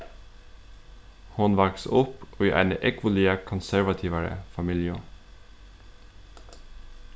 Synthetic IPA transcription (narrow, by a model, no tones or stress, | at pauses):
hʊnʋɑksʊpʔoːiːʔæ̰ɪnəʔɛkʋʊliəkʰɔnsæɹʋɑt̪ʰiːʋəɾə̰fɑmiːljʊ